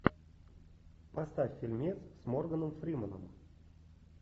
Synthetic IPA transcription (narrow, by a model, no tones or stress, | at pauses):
pɐst̪afʲːilʲmʲet̪ssmorɡənəmfɾʲimənə̰m